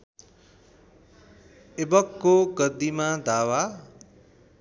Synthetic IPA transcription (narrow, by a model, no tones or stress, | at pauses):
ebʌkːoɡʌd̪ːimad̪awa